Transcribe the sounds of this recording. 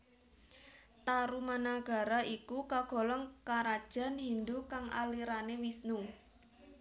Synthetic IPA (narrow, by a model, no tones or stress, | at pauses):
t̪aɾumanaɡ̥a̤ɾaʔikukaɡ̥ɔ̤lɔŋkaɾad̥ʒ̥a̤nɦind̪ukaŋʔa̰liɾanewisnu